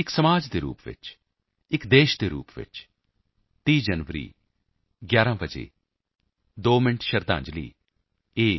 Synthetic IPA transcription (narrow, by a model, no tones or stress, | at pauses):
ɪksəmaːd͡ʒd̪eːɾṵːpʋɪ̰t͡ʃ | ɪkd̪eːʃd̪eːɾṵːpʋɪ̰t͡ʃ | t̪iːd͡ʒənʋəɾḭː | ɡjaːɾãːbəd͡ʒḛː | d̪oːmɪɳʈʰʃəɾd̪ã̰ːɲd͡ʒlḭː | eː